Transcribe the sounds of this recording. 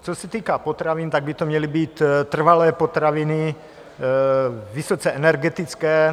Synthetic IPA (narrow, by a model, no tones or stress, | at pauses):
t͡sosɛt̪iːkaːpot̪ɾavint̪aɡ̚bɪt̪omɲɛlibiːt̪t̪ːr̩valɛːpot̪ɾavɪnɪ | visot͡sɛʔɛnɛɾɡɛt̪it͡skɛː